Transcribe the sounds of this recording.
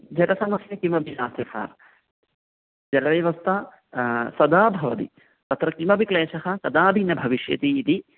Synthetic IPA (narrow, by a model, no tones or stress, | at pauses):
d͡ʒɐɾɐsɐmɐsjɐkimɐbʱiʃaːst̪ɐkʰa̰ːɾ | d͡ʒɐɾɐʋɐjʋɐst̪ʰa | sɐd̪aːbʱɐʋɐt̪ḭ | t̪ɐt̪ɾɐkimɐbikleːʃɐɦɐkɐd̪aːbʱinɐbʱɐʋiʃjɐ̰t̪iːt̪i